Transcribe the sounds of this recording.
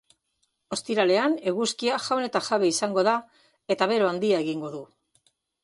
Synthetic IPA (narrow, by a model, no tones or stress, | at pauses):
o̞st̪iɾale̞ane̞ɣuskiaʝawne̞t̪aʝaβe̞isaŋɡo̞ða | e̞t̪aβe̞ɾoand̪iaeɣiŋɡo̞ðu